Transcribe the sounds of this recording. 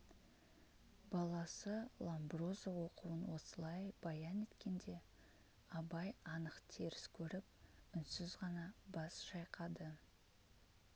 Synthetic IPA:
bɑlˠɑsəlˠambro̞zawo̞quwənwo̞səlˠɑjb̥ɑjɑne̞t̪kʲe̞nd̪e̞ | ɑbɑjɑnəqt̪ʰe̞ɾɪskʲʰɵɾɪp̚ʏnsɪzʁɑnɑbɑsʃɑjqʰɑd̪ə

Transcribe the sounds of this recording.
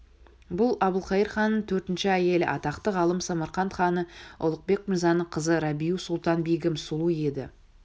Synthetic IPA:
bʊlˠɑbəlˠqɑjəɾχɑnːət̪ʰɵɾt̪ɪnʃɪæje̞lɪʔɑt̪ɑqt̪əʁɑlˠəmsɑmɑɾχɑnχɑnəʊ̰lˠəq̚be̞k̚mɪɾzɑnːəɴqʰəzəɾɑbijusʊlˠt̪ɑnbiɡʲɪmsʊlˠue̞d̪ɪ

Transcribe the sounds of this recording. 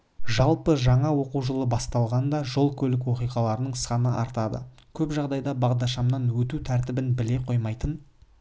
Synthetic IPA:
ʒɑlˠpəʒɑɴɑwo̞quʒəlˠəbɑst̪ɑlˠʁɑnd̪ɑʒo̞lˠkʲʰɵlɪk̬wo̞qijʁɑlˠɑɾənəɴsχɑnəʔɑ̰ɾt̪ɑd̪ə̰kʲʰɵpʒɑʁd̪ɑjd̪ɑbɑʁd̪ɑʃ̬ɑmnɑnwɵt̪ut̪ʰæɾt̪ɪbɪnbɪle̞qʰo̞jmɑjt̪ən

